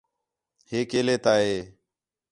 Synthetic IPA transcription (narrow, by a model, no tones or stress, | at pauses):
heːkeːleːt̪aːɦeː